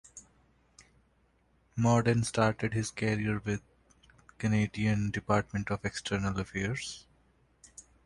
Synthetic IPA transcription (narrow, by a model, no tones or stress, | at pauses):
mɔːɖə̃nsʈaːɾʈeɖɦɪzkɛɾiəɾʋɪd̪̚ | kəneːɖiə̃nɖɪpaːɾʈ̚mẽɳʈɔːfeksʈʰəɾnəlɐfɛəɾz̥